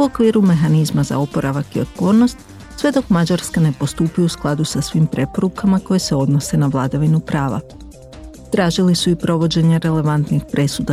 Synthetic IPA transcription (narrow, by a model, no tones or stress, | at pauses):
uokʋiːɾume̞ɦanizmaza̰o̞po̞ɾaʋakio̰t̪̚po̞ːɾno̞st̪ | sʋe̞d̪o̞kmad͡ʑaɾskane̞po̞st̪uːpiousklˠad̪usasʋiːmpɾe̞po̞ɾukamako̞jese̞o̞d̪no̞se̞naʋlˠad̪aʋinupɾaːʋa̰ | t̪ɾaːʒilisuipɾo̞ʋo̞d͡ʑe̞ɲaɾe̞le̞ʋant̪nixpɾe̞sud̪a